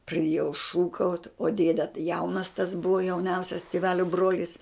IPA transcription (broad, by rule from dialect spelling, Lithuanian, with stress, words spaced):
prɐˈdʲiɛjɛʊ ˈʃuːkɐʊtʲ oː ˈdʲeːdʲɛ tɐɪ ˈjɛʊnɐs tɐs ˈbʊʋɐ jɛʊˈnʲɛʊsʲɛs tʲɪˈʋʲæːlʲoː ˈbroːlʲɪs